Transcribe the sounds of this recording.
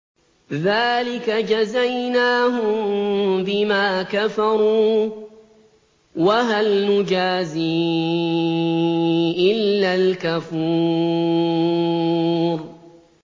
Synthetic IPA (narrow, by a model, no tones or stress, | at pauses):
ðaːlɪkad͡ʒazajnaːɦʊmbɪmaːkafɑɾuː | waɦalnʊd͡ʒaːziː | ʔɪlːalkafuː | ɾ